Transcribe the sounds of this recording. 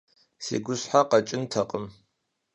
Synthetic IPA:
sḛːɡʷʊsħaqɐt͡ʃʼɪntʰɐqʼəm

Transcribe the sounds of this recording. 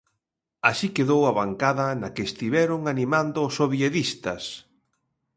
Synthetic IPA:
aʃikeðowaβaŋkaðɐnɐkeːst̪iβɛɾʊŋanimãnd̪ʊːsːoβjeðist̪ɐs

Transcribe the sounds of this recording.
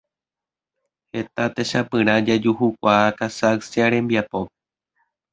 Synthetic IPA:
he̞t̪at̪eʃapɨ̃ɾ̃ãd͡ʒad͡ʒuhuk̚ʷaːkasaksiaɾẽ̞mbiapo

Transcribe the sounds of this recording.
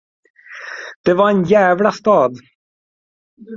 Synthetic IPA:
d̪̥ɛvaɾɛnjæːvlast̪ɑːd̪

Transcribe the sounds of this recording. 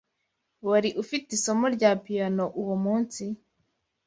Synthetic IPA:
waɾiʔufitiso̞moɾɟaːpijanoʔuwomuːnsi

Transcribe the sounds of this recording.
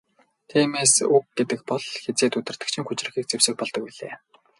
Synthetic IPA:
t̪ʰiːmeːsuk̚ɡet̪ɘ̆k̚pɔɮxet͡seːt̪ut̪ɪ̆r̥t̪ɘ̆kt͡ɕʰɪ̆ŋxut͡ɕrɘ̆xiːk̚t͡sewsɘ̆k̚pɔɮt̪ɞ̆k̚piɮeː

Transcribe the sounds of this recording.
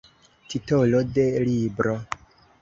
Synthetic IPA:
titolode̞libɾo

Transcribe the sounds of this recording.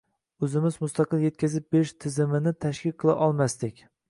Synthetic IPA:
ɵzɪmɪzmʊst̪ɑqʰɨlˠje̞t̪̚kʲazɪp̚beɾɪʃt̪ʰɪzɪmɪnɪt̪ʰaʃkʲɪqʰɨlˠa̰ʔɒlˠmast̪ɪkʲ

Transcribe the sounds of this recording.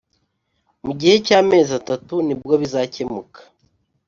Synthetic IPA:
muɟihe̞caːme̞ːzatatunibɡo̞βizaːce̞mukḁ

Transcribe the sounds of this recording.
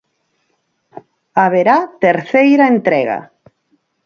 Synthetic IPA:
aβeɾat̪eɾθejɾaent̪ɾɛɣa̰

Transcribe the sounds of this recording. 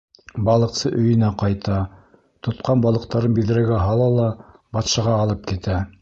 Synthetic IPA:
bɑlˠɤ̆qsɤʔɵ̆jɵ̆næqɑjt̪ɑ | t̪ŏt̪qɑnbɑlˠɤ̆q̚t̪ɑɾɤnbiðɘ̆ɾæɡæɦɑlˠɑlˠɑ | bɑt̪ʃɑʁɑːlˠɤp̚kit̪æ

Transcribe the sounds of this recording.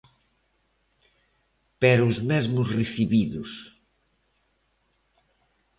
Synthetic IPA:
pɛɾʊzmɛzmʊsreθiβiðʊs

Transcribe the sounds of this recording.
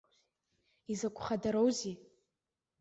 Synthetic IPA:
izakʷʰʼχadaɾowzi

